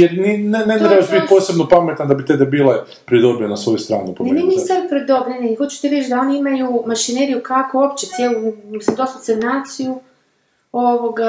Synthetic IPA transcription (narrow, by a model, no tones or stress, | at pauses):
jeɾninenet̪ɾebaʃbit̪po̞ːse̞bnopamet̪nad̪abit̪ebebiːlˠa | pɾid̪obʲenasʋo̞just̪ɾa̰ːnuponmenisabipɾed̪oblenexot͡ʃu̥t̪iɾet͡ʃd̪ao̞niimajumaʃineɾijukakoopt͡ɕet̪sjelˠusad̪ost̪asemnaːt̪siju | oʋoɡa